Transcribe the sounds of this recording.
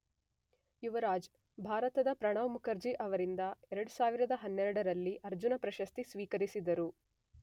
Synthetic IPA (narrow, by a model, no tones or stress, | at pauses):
juʋɐɾaːd͡ʒ | bʱaːɾɐt̪ɐd̪ɐpɾɐɳ̃ɐʋɐmukʰɐɾd͡ʒiʔɐʋɐɾind̪ɐɛɾɐɽusaːʋiɾɐd̪ɐɦɐnːɛɾɐɽɐɾɐlːiʔɐɾd͡ʒunɐpɾɐʃɐst̪isʋiːkɐɾisid̪ɐɾu